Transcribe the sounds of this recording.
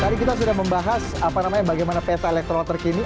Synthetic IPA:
k̪aɾikit̪as̬udaməmbaɦasapanamaɲabaɡajmanapɛt̪aelɛk̚t̪ɾɔnt̪ərkini

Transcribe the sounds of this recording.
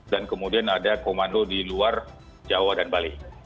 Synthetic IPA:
dankəmudianadakomandodiluar | d͡ʒawadanbali

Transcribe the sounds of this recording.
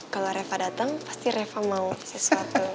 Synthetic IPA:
kaloɾefadat̪aŋpḁst̪iɾefamausəsuat̪u

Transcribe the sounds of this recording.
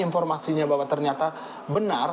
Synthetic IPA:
infɔrmasiɲabawat̪ːərɲat̪a | bənar

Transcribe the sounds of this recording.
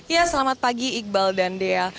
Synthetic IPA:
jasəlamat̪̚paɡiːk̚baldandea

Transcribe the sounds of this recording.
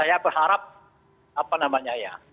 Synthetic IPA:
ajabərhaɾap̚ | apanamaɲaja

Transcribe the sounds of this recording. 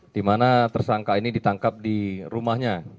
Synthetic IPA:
d̥imanat̪ərsaŋkainidit̪aŋkap̚diɾumahɲa

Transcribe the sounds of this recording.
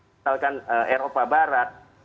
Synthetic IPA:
alkanəʔeɾopabaɾat̪̚

